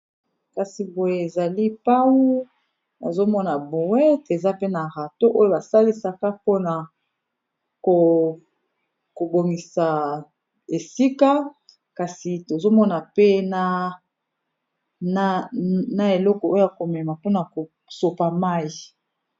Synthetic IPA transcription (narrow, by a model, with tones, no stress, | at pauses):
ka˨si˨bo˨je˨e˨za˨li˦pa˦wu˦ | na̰˨zo˦mɔ˦na˨bo˨wɛ˦te˨za˦pe˦na˨ʁa˨to˦ʔo˦jo˦˨ba˨sa˦li˦sa˦ka˦po˦na˨ | ko˨ | ko˨bo˨ŋɡi˨sa˨ | e˨si˦ka˦ | ka˨si˨to˨zo˦mɔ˦na˨pe˦na˦ | n˦na˨e˨lɔ˦kɔ˨o˦ja˨ko˨mɛ˨ma˨po˦na˨ko˨ | so˨pa˨ma˦ji˨